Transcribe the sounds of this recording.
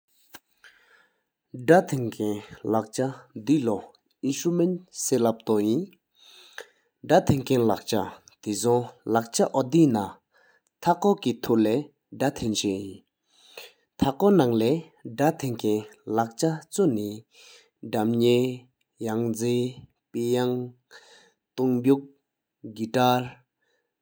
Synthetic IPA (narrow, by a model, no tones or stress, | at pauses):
ɖ͡ʐat̪ʰenkʰɛnlaʔ̚t͡ɕad̪ilɔ | ʔiɕumenseːlap̚t̪ɔjin | ɖ͡ʐat̪ʰeŋkʰenlaʔ̚t͡ɕat̪isʰɔŋlaʔ̚t͡ɕaʔɔd̪iːna | t̪ʰakɔːkit̪ʰulɛː | dat̪ʰent͡ɕejin | t̪ʰakɔnaŋlɛː | dat̪ʰeŋkʰɛnlak̚t͡ɕat͡soni | ɖ͡ʐamɲeː | jaŋd͡zeː | pejaŋ | t̪uŋbuk̚ | ɡiʈ͡ʂaɹ